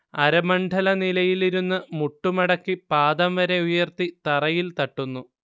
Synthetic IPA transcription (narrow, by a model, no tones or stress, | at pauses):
ɐɾɐmɐɳɖʱɐlɐnilɐjiliɾunːɨmuʈːumɐɽɐkːipaːd̪ɐmʋɐɾe̞ujɐrt̪it̪ɐrɐjilt̪ɐʈːunːu